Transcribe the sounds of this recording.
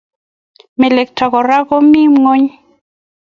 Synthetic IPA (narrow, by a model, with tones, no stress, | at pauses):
me˨le˨k̚ta˨ɣɔ˨ɾa˦ɣo˦mi˦mŋo˦ɲ